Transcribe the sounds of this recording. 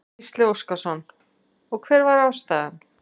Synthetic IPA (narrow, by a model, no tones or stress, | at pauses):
st̪lɪowskasɔn | ɔɣkʰvɛːɾvaɾawst̪aːðan